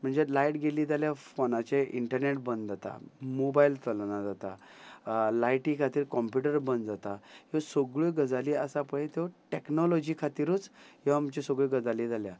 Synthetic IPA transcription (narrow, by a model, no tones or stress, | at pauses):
m̤əɳd͡zelajʈɡeliːd͡zaljafonat͡ɕeʔiɳʈəɾneʈ̚bənd̪d͡zat̪a̰mobailt̪əlnad͡zat̪a̰ | lajʈikʰat̪iːɾkɔmpjuʈəɾbənd̪d͡zat̪aɦesoɡɭoɡəd͡zaliːəsapəɭet̪oʈeknɔlɔd͡ʑikʰat̪iːɾuːt͡sɦeʋamt͡ɕesoɡɭeɡəd͡zaliːd͡zalja